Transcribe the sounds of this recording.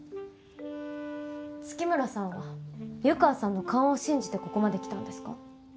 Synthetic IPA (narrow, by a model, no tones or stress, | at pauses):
t͡sɨ̥kʲimɯ̟ɾasãɰ̃βajɯ̟kaːsãnːo̞kãɰ̃oɕĩɲ̟d͡ʑit̪e̞ko̞ko̞mad̪e̞kʲi̥t̪ã̰nd̪e̞sɨ̥ka